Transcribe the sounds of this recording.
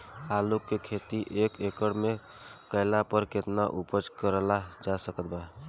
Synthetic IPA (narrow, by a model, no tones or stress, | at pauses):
alukːekʰet̪iʔekekəɽme | kəɪlapəɾket̪naʔupət͡ʃkəɾəlad͡ʒasəkət̪̚ba